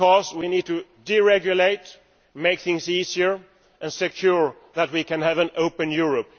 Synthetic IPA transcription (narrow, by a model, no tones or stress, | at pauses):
ɔzwinid̚tɨdiɹɛɡjʊleɪt | meɪk̚θɪ̃ŋziziə˞ | ʔɨ̃nsɨkʰj̥ʊɹ | ðət̚wikɨ̃nævɨ̃noʊpɨ̃njʊɹəp̚